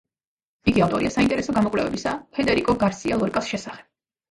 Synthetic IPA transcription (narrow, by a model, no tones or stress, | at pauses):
iɡiaft̪ʼɔɾiasaint̪ʼɛɾɛsɔɡamɔkʼlɛ̰vɛ̰bisapʰɛd̪ɛɾikʼɔɡaɾsialˠɔɾkʼasʃɛsaχɛ̥b̥